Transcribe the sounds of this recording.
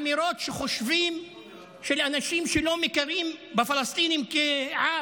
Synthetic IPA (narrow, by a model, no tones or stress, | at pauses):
miɾot̪ʃeχoʃvim | ʃelanaʃimʃelomekaɾimbefalast̪inimkeʕa